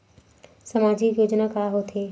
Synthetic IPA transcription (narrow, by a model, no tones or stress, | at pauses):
sɐmaːd͡ʒikjoːd͡ʒnakaːɦot̪ʰeː